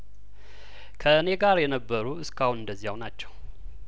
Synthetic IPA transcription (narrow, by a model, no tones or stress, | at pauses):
kʰəɨne̞ɡaɾjɛnəbːəɾuɨskahunɨnd̪əzːijawnat͡ʃːɛw